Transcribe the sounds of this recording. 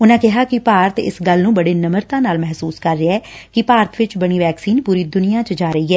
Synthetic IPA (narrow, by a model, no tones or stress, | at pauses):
ʊnãːkɪɦaːkɪpaːɾət̪ɪ̰sɡəlnũːbəɽeːnəməɾt̪ãːnaːlmɛɦsuːskəɾːɪɛː | kɪpaːɾt̪ʋɪt͡ʃbəɽ̃iːʋɛːksiːnpuːɾiːd̪ʊnɪjãːt͡ʃəd͡ʒaːɾəiːɦɛː